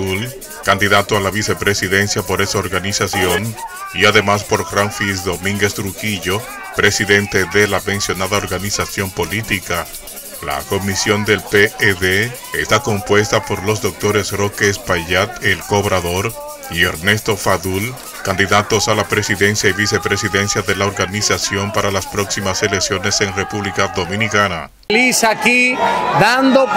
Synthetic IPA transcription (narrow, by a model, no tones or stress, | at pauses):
ul | kand̪iðat̪oalaβise̞pɾe̞siðe̞nsjapo̞ɾesaoɾɣanisasjo̞niaðe̞maspo̞ɾɣɾaɱfisðo̞mĩŋɡe̞st̪ɾukiʝo̞ | pɾe̞siðe̞nt̪e̞ðe̞lamẽ̞nsjo̞naðaoɾɣanisasjo̞mpo̞lit̪ika | la̰ko̞misjo̞nd̪e̞lpeeðe | est̪ako̞mpwe̞st̪apo̞ɾlo̞zðo̞k̚t̪o̞ɾe̞sro̞kespaʝat̪elko̞βɾaðo̞ɾ | ie̞ɾne̞st̪o̞faðul | kand̪iðat̪o̞salapɾe̞siðe̞nsjaiβise̞pɾe̞siðe̞nsjaðe̞laoɾɣanisasjo̞mpaɾalaspɾo̞ksimase̞le̞ksjo̞ne̞se̞ŋre̞puβlikaðo̞mĩnikana̰ | lisakiðand̪o